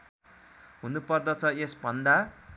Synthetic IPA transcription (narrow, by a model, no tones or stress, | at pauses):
ɦunupʌrd̪ʌt͡sʰʌesbʱʌnd̪a